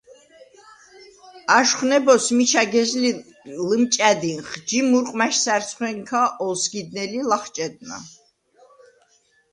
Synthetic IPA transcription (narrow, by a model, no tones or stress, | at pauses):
aʃχnɛbɔsmit͡ʃʰaɡɛzli | ləmt͡ʃʼæd̪inχd͡ʒimuɾqʼmaʃsæɾt̪sʰχwɛŋkʰaʔɔlsɡid̪̚nɛlilaχt͡ʃʼɛd̪̚na̰